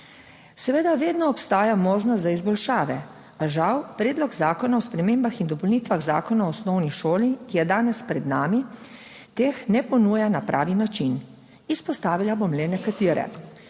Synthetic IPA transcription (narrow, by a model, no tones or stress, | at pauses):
sɛʋeːd̪aʋeːd̪nɔːpst̪aːjamoːʒnɔt̪zaizbɔlʃaːʋɛ | aʒawpɾeːd̪lɔɡzaːkɔnaɔspɾɛmeːmbaxind̪ɔpɔlnit̪ʋaɣza̰ːkɔnaɔːsnɔwniʃoːlikijɛd̪aːnɛspɾɛd̪naːmi | t̪eːxnɛpɔnuːjanapɾʔa̰ːʋinat͡ʃin | ispɔst̪aːʋilabomlɛnɛkat̪iːɾɛ̰